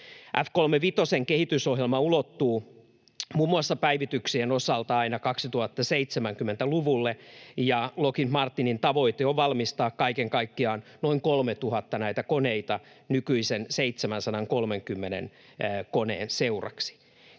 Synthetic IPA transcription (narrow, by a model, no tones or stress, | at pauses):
ʔæfkolmeʋit̪oseŋkehit̪ysohjelmɑulot̪ːuː | muːmːuɑsːɑpæiʋit̪yksienosɑlt̪ɑɑinɑkɑksit̪uhɑt̪ːɑseit̪semæŋkymːent̪æluʋulːejɑlokinmɑrt̪ːinint̪ɑʋo̞it̪eoʋʋɑlmist̪ɑːkkɑikeŋkɑikːiɑːnnoiŋkolmet̪uhɑt̪ːɑnæit̪ækoneit̪ɑ | nykyisenseit̪semænsɑnɑŋkolmeŋkymːenḛnː | konḛːnseurɑ̰ksi̥